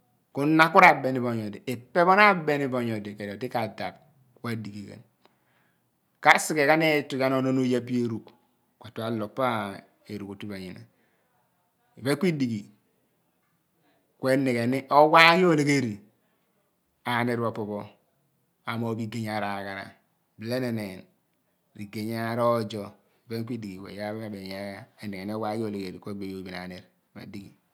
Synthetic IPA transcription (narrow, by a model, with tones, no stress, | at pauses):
ku˦na˦ku˦ɾa˨be˨ni˨bo˨ɲɔ˨di˨ʔe˨pːe˦bo˦na˦be˦ni˨bo˨ɲo˨de˨ke˨dti˦ka˨da˨b̚ | wa˦˨di˨ɡi˨kḛ˨n | ka˦si˨ke˨ka˦ne˦ti˦ka˦n˦o˦no˦no˦ja˦pi˦e˦ɾu˨k | ka˨tu˦a˨lo˨pːa˦ | e˨ɾu˨ku˨ti˦ba˨ɲḭ˨na̰˨ | i˨be˦kʷi˦di˨ɡi˨ | kʷe˦ne˨ɡe˨ni˦ʔo˦wa˦ji˦o˦˨le˨ɡe˦˨ɾi˨ | a˨ne˦ɾbo˨po˨bo˦ | a˨mo˨˦bi˦ɡe˦ɲa˨ɾa˨ɡa˨ɾa̰˨ | bi˨le˦ne˨ne˨n | ɾi˨ɡe˨ɲ˦a˦ɾɔ˦d͡ʒɔ˦ | i˨be˦ŋ˦k̬ʷi˦di˨ɡi˨wḛ˨ja˦be˦a˦be˨ɲa˦ja˦e˨nːe˨ɡe˨ni˦o˦wa˦jo˦˨le˨ɡe˨ɾi˨kʷe˦be˨˦jo˨bi˨na̰˨ne˨ɾba̰˨di˦ɡi˨